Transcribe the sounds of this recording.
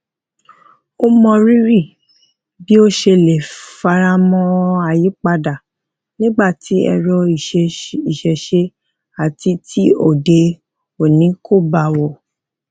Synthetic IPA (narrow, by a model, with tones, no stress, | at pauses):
o˦mɔ̃˧ɾi˦ɾi˦˨ | bi˦o˦ʃe˧le˨fa˧ɾa˧mɔ̃˧a˨ji˨˦k͡pa˧da˨ | nĩ˦ɡ͡ba˦˨ti˨˦ɛ̰˧ɾɔ˧i˨i˨ʃɛ˨ʃe˧ | a˨ti˧tʰi˦o˦˨de˧ | o˨nĩ˨˦ko˦˨ba˨wɔ˨